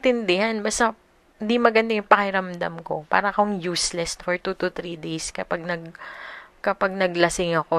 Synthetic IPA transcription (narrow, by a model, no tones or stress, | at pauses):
t̪ɪnd̪ɪhanbɐst̪ɐ | ɪnd̪imɐɡɐnd̪ajʊŋpɐkɪɾɐmd̪a̰mko̞pa̰ːɾɐkoŋjuslɛst̪foɹt̪ut̪ʊt̪ɾid̪ejskɐpaɡ̚nɐɡ | kɐpaɡ̚nɐɡ̚lɐsɪŋɐko